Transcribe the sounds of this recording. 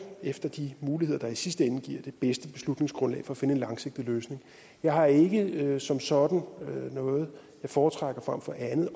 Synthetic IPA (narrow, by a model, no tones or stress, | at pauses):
efd̥ɐd̥imuːliheð̰ˠɐd̥ɑ̈isisd̥əenːəɡ̥iɐ̰d̥e̝b̥esd̥əb̥e̝slud̥ne̝ŋsɡ̥ʁɔ̽nlɛ̰ɪfɒ̽ːfe̝nəenlɑ̈ŋse̝ɡ̥̚d̥iløːsne̝ŋ | jɑ̈ɪhɑ̈e̝ɡ̥əsɒ̽msɒ̽d̥n̩ønɔ̽ːð̞̩ˠ | jɑ̈ɪfɒːt͡sʰʁaɡ̥ɐfʁam̰fɒ̽ʔænð̩ˠ